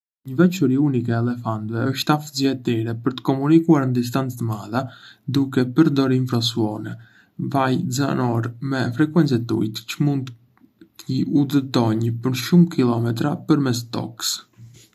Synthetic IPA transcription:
ɲəvɛt͡ʃɔɾiunikɛːlɛfant̪vɛəʃt̪afəziaɛt̪ɛɾɛpəɾt̪ə̥kɔmunikuaɾnəd̪is̬t̪ant͡st̪əmaðad̪ukɛpəɾd̪ɔɾiɱfɾɔs̬uɔnɛ | vajza̰nɔɾmɛfɾɛkwɛnt͡sɛt̪ṵjt̪cəmund̪ | t̪əud̪ət̪ɔɲəpəɾʃumkʰilˠɔmɛt̪ɾapəɾmɛs̬t̪ɔ̰ks

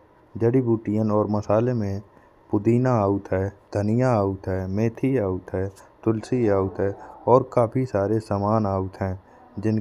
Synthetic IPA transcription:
d͡ʒəɽibuːʈijənɔːɾməsaːlemẽ | pʊd̪iːnaaːʊt̪ɦɛːd̪ʱənɪjaaːʊt̪ɦɛːmeːt̪ʰiaːʊt̪ɦɛːt̪ʊlsiaːʊt̪ɦɛːɔːɾkaːpʰisaːɾesaːmaːnaːʊt̪ɦɛ̃ː | d͡ʒɪn

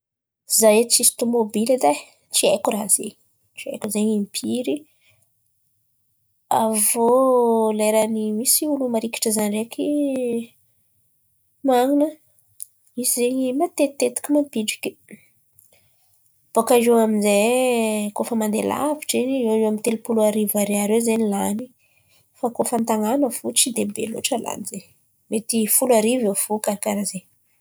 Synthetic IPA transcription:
zajt͡sist̪omobiled̪a | t͡siekurazḛɲi̥ | t͡ʃia̰jkuzeɲimpʰiɾi | avoleɾanimisiulumaɾiki̥ʈ͡ʂəzanrekʲʰi | maŋinə | izizeɲimat̪et̪ːet̪i̥kʲimampiɖ͡ʐikʲi̥ | b̥okajewaminze | kofəmand̪ela̰viʈ͡ʂeniewaewamint̪elupulaɾivaɾeaɾezenilani | fakofant̪aŋanəfut͡sid̪ebḛlo̰ʈ͡ʂəla̰nize | met̪ifulaɾivewfukaɾakaɾaze

